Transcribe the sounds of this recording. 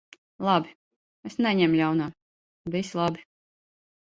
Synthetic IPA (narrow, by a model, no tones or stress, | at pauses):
lˠɑbʲi | esnɛɲɛmlʲawnaː | vislˠabi